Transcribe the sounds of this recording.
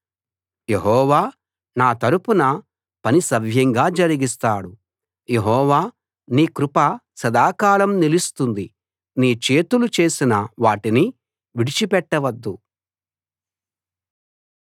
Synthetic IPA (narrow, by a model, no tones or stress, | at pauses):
je̞ɦɔːʋaː | naːt̪ɐɾupunɐ | pɐnisɐʋʱjɐŋɡaːd͡ʒɐɾiɡist̪aːɽu | jeɦɔːʋaː | niːkɾupɐsɐd̪aːkaːɭɐmnilist̪und̪i | niːt͡ʃe̞ːt̪ulut͡ʃe̞ːsinɐʋaːʈini | ʋiɽit͡ʃipɛʈːɐʋɐd̪ːu